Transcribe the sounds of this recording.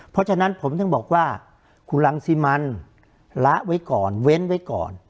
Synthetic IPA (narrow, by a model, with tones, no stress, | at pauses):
pʰɔ˦˥t͡ɕʰa˧na˦˥npʰo˩˦mt̪ɔ˥˩ŋbɔː˨˩k̚waː˥˩ | kʰu˧nla˧ŋsi˦˧˥ma˧n | la˦˥ʔwa˦˥jkɔː˨˩nwe˦˥nwa˦˥jkɔ̰ː˨˩n